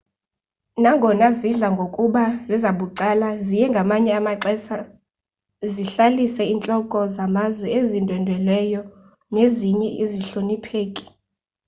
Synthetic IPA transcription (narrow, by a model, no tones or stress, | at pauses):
naŋɡʱɔnaziɮaŋɡʱokʼuɓazizaɓuǀalazijɛŋɡʱamaɲɛamaǀɛsa | ziɬalisɛint͡ɬʼɔkʼɔzamazwɛezindʱwɛndʱwɛlwɛjɔ | neziɲɛʔiziɬonipʰeːkʼi̥